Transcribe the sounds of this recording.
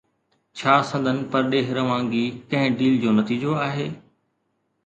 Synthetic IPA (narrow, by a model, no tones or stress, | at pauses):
t͡ɕʰaːsɐ̃nd̪ʱənɪ̆pɐɾɗeːɦɾɐʋãːŋɡikɐ̃ɦɪ̃ɖiːld͡ʑoːnɐt̪iːd͡ʑoaːɦeː